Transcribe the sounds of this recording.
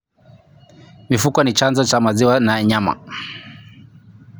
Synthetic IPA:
mifukɔnit͡ʃanzɔt͡ʃamaziwanaɲama̰

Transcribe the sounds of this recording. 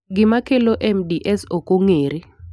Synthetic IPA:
ŋimakʰɛlɔʔɛmdiʔɛsokʼuŋeːɾi

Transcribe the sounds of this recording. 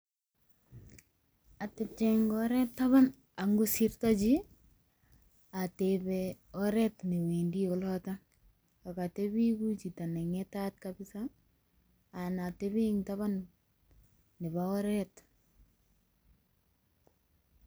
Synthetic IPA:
atep̚t͡ʃeŋɡɔɾɛp̚taβan | aŋɡusirtat͡ʃi | atebɛ | ɔɾɛtniwendiɔlɔta | akatebikut͡ʃitanɛŋɛtat̚kabɪsa | natebiŋtaβan | ebaɔɾɛt

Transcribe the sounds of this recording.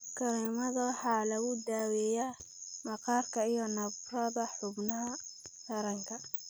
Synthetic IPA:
kʰɐɾimɐðɐwɑħɑːlɐɣʊd̪aːwɛja | mɐqɑːrkʰɐijɔnɐbrɐðɐħʊbnɐɦɐt̪ʰɐɾɐŋkʰɐ

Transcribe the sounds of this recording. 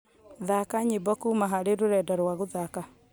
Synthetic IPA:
ðakaɲebɔkumaɦaɾeɾoɾɛdaɾwaɣoðaka

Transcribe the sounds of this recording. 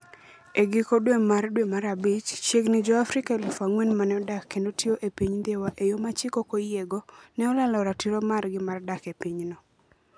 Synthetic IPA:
eɡɪkodwemardwemaɾabit͡ʃt͡ʃeɡnɪd͡ʒɔafɾɪkaelʊfaŋwenmanɛɔdakʰːendotʰioʔepiɲd̪ewaʔejomat͡ʃɪkokojeɡonɛɔlalɔɾatiɾomarɡɪmardakepiɲnɔ

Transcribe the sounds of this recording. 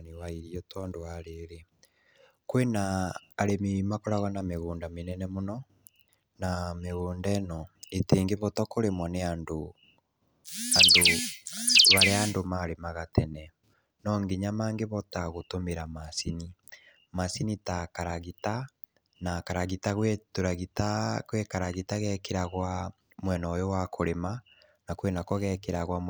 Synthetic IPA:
newaiɾiɔtʰɔndoaɾeɾe | kwenaːɾemiɾimakoɾaɣanameɣoːndamenɛnɛmonɔ | nameɣoːndɛnɔeteːŋɡeβɔtɔkoɾemɔneando | ando | βaɾeaːndomaɾemaɣatɛnɛ | nɔŋɡeɲamaːŋɡeβɔtaɣotomeɾamasini | masinitakaɾaɣita | nakaɾaɣitaɣwetoɾaɣitakwekaɾaɣitaɣɛkeɾaɣwa | mwɛnɔjowakʰoɾema | nakwenakɔɣɛkeɾaɣwa

